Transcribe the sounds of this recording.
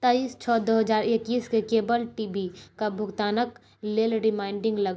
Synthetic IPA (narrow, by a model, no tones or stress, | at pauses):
t̪aːiːst͡ʃʰɔːd̪oːɦɐzaːɾekːiːskekeːbəlʈiːbikabʱʊɡt̪aːnək | leːlɾɪmaːɪ̃ɳɖɪ̃ŋɡlɐɡa